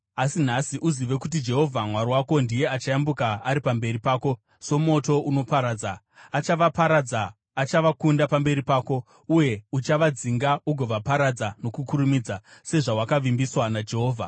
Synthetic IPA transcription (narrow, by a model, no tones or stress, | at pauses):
asin̤asiʔuziʋe̞kut̬id͡ʒe̞ɦo̞vʱamwaɾwako̞ndije̞at͡ʃajambukaaɾipambe̞ɾipaːko̞ | so̞mo̞to̞ʔuno̞paɾaːd͡zaː | t͡ʃaʋapaɾad͡zaː | t͡ʃaʋakundapambe̞ɾipaːko̞ | uje̞ut͡ʃaʋad͡ziŋɡauɡʱo̞ʋapaɾad͡zano̞kukuɾumid͡zase̞ʐawakaʋimbiswanad͡ʒe̞ɦo̞ːvʱa